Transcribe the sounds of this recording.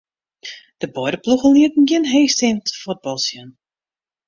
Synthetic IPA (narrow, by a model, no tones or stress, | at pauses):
d̥əbɔjdəpluxənliətn̩ɡɪnɦeːstɛntə̥fot̚bɔlˠsjən